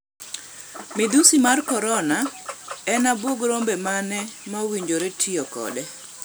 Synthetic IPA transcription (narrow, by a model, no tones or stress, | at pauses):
mɪd̪usimarkɔɾɔnaɛnabwoɡɾombɛmanɛmawiɲd͡ʒoɾetʰiɔkɔ̰dɛ